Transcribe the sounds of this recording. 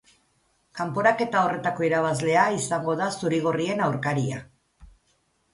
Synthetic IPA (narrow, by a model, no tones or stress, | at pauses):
kampo̞ɾake̞t̪ao̞re̞t̪ako̞iɾaβ̞azle̞aisaŋɡo̞ðasuɾiɣ̞orie̞nawɾkaɾia̰